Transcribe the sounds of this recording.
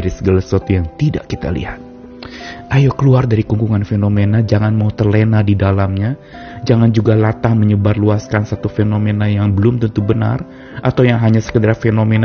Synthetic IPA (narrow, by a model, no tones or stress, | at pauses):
ɾisəɡalaswat̪ujaŋt̪ida̰ʔkit̪a̰lḭhat̪̚ | ajokəluardaɾikuŋɡuŋanfenomenad͡ʒaŋanmaut̪ərlenadidalamɲa | d͡ʒaŋand͡ʒuɡalat̪ahməɲəbarluaskansat̪ufenomenajaŋbəlʊmt̪ənt̪ubəna̰r | ʔat̪awjaŋɦaɲasə̥kədaɾafenomen